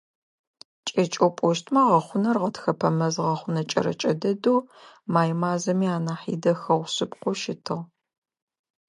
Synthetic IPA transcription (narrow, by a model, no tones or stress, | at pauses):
t͡ʃʼɐt͡ʃʼopʼɔʃtʰmɐʁɐχʷʊnɐrʁɐtxɐpʰɐmɐzʁɐχʷʊnɐt͡ʃʼɐ̰ɾɐ̰t͡ʃʼɐ̰dɐduːmaːjmaːzɐmiːaːnaːħḭːdɐxɐʁʷɕɨpʼqʷʊʃɪtʰɨʁ